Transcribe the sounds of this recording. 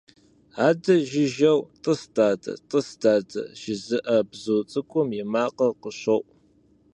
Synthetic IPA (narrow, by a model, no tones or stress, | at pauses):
aːdɐʒɪʒɐwtʼəstʼaːdɐ̰tʼɨstaːdɐ̰ʒɪzɨʔɐbzuːt͡sʼɨkʷʼʊmjɪmaːqɐqəɕɐʔʷʼ